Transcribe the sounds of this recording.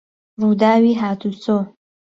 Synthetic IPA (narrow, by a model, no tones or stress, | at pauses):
ruːd̪aːwiːɦaːt̪ʰuso